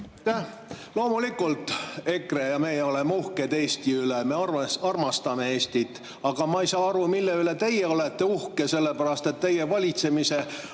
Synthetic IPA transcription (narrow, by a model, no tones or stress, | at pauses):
t̪æ | lo̞ːmulikːˑult̪ːˑe̞krejɑme̞jeo̞lemːuhked̪e̞ːst̪iyleme̞ɑrɑrmɑst̪ɑme̞e̞ːsʲt̪it̪ːˑ | ɑɡ̥ɑmɑejsɑːɑɾumilːe̞yle̞t̪e̞jeo̞let̪ːe̞uhkese̞lːepæɾɑst̪e̞t̪ːe̞je̞vɑlʲit̪se̞mise̞